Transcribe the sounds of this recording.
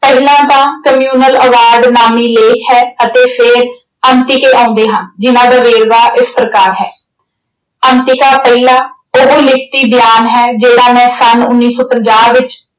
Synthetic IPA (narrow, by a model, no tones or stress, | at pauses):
pəɦlãːt̪ãːkəmjuːnələʋaːɾɖnaːmiːleːkʰɦɛːət̪eːpʰɪɾ | ənt̪ɪkeːʔãːʊnd̪eːɦənd͡ʒɪnãːd̪aːʋeːɾʋaːʔɪspɾəkaːɾɦɛː | ənt̪ɪkaːpəilãː | oɦoːlɪk̚ʰt̪iːbɪjaːnɦɛːd͡ʒeːɽaːmɛ̃ːsənʊnːiːsoːpəɲd͡ʒaːʋɪt͡ʃ